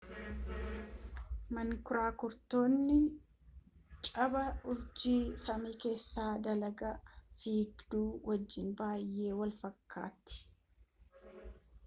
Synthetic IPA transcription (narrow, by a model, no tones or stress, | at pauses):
mɐŋkʊɾaːkʊɾt̪o̞ːnːɪ | t͡ʃʼɐbɐʊɾd͡ʒiːsɐmiːke̞ːsːaːd̪ɐlɐɡɐfiːɡd̪uːwʔɐd͡ʒːɪnbaːjːe̞ːwɐlfɐkːa̰ːt̪ːɪ̥